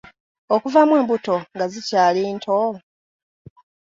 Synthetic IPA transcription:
okuvamwe̞ːmbuto̞ŋɡazicaːliːntʰo

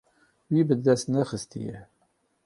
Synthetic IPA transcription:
jivəd̪ːæsənæχəst̪ḭ

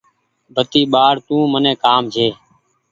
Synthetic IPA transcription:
bʱət̪iːɓaːɽt̪ũːmənẽːkaːmd͡ʒʱeː

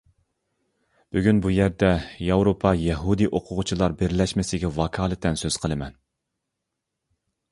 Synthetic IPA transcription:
b̥yɡʲynbujæɾd̪ɛjɑwɾopʰɑjɛɦud̪iʔoqʰʊʁʊt͡ʃʰilˠɑɾbɪɾlɛʃmɪsɪɡʲɛwɑkʰɑːlˠɨt̪ʰːɛnsøz̥qʰəlˠɨmɛn

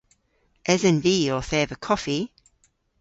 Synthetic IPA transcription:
ʔɛzə̃nviːəθɛːvəkʰɒfi

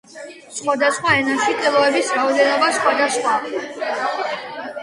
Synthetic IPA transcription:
sχwad̪asχwaɛnaʃit̪ʼilˠɔɛbisɾaɔd̪ɛnɔbasχwad̪asχwa

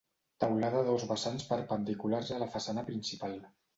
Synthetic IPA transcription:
t̪awlaðəðozβəsanspəɾpənd̪ikularzələfəsanəpɾinsipalˠ

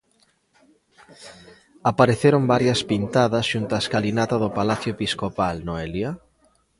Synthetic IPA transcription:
apaɾeθeɾombaɾjɐspint̪aðɐsʃunt̪aeskalinat̪ɐðʊpalaθjoepiskopalnoelja

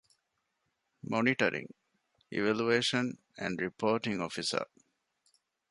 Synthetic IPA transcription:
moniʈəɾʔḭ̃ŋ | ʔḭʋælueːʃə̃n | æ̰̃ɳɖɾipʰoːʈĩŋɔfisə̰

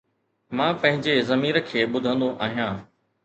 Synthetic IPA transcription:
mãːpɐ̃ɦɪ̃ɲd͡ʑezɐmiːɾəkʰeːɓʊd̪ʱə̃nd̪oʔaːɦijãː

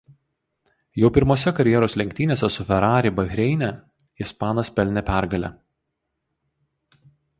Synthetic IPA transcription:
jɛʊpʲɪɾmoːsʲɛkɐɾʲjɛɾoːslʲɛŋʲkʲt̪ʲiːnʲeːsʲɛsʊfʲɛɾɑːɾʲɪbɐɣʲɾʲɛɪnʲɛ | ɪspɑːnɐspʲɛlʲnʲɛpʲæˑɾɡɐlʲɛ̰

